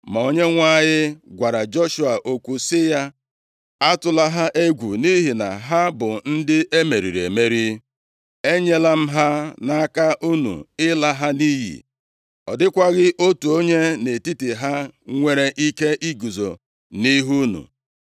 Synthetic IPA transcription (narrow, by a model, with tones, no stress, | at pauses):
ma˨o˨ɲe˦ŋʷa˦˨ɲɪ˦ɡʷa˨ɾa˨d͡ʒɔ˦ʃu˨a˨ʔo˦kʷu˨sɪ˦ja˦ | a˦tʊ˦la˦ɦa˦ʔe˦ɡʷṵ˨ni˦ɦi˨na̰˨ɦa˦bʊ˨n̩˦dɪ˦ʔe˦me˨ɾḭ˨ɾḛ˨me˦ɾi˦ | e˦ɲe˦la˦m̩˦ɦa˦na˦ka˦ʔu˦nṵ˨ɪ˦la˦ɦa˦ni˦jḭ˨ | ɔ̰˨dɪ˦kʷa˦ɣɪ˦ʔo˦tu˨o˦ɲe˦ne˨ti˦ti˨ɦa˦ŋʷe˨ɾe˨ʔi˦ke˦ʔi˦ɡu˨zo̰˨ | ni˦ɦu˦nṵ˨